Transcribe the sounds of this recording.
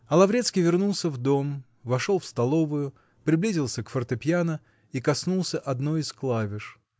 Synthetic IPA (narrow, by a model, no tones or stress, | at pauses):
ɐlˠɐvɾʲet̪skʲijvʲɪrnulˠsʲəvd̪o̞m | vɐʂolˠfst̪ɐlˠo̞vʊjʊ | pɾʲɪblʲizʲɪlˠsʲəkfərt̪ɨpʲjanə | ikɐsnulˠsʲəʔɐd̪nojisklˠavʲɪʂ